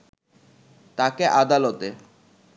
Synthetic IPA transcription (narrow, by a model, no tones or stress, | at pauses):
t̪akeʔad̪alot̪e